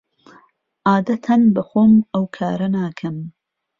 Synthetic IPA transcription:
ʔaːd̪ɐt̪ʰɐnbɐxoːmɐwkʰaːɾɐnaːkʰɐm

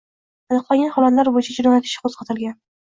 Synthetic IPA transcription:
anɨqlˠaŋʲanhɒlˠat̪laɾbojɪt͡ʃʰad͡ʒoɾanat̪ʰɪ̥ʃɪ̥qʰozqʰɑt̪ʰɪlˠɡʲan

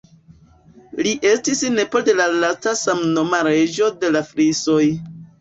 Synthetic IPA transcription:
liʔe̞stisne̞polde̞lalastasamno̞maɾe̞d͡ʒo̞de̞lafɾiso̞j

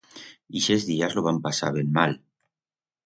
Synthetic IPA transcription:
iʃezðiazloβampasa̰βemːal

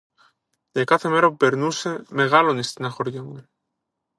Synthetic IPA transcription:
d̪ekaθemeɾopeɾnusemeɣalonest̪enaxoɾjoŋɡe

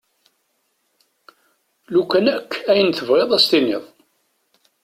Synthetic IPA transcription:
lukːænækːæjənθəvʁeðˤæst̪iniðˤ

